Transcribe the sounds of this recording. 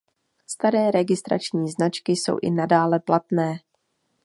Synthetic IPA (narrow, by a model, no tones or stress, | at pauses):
st̪aɾɛːɾɛɡɪst̪ɾa̰t͡ʃɲiːznat͡ʃkɪso̞̰wʔɪ̰nadaːlɛplat̪nɛː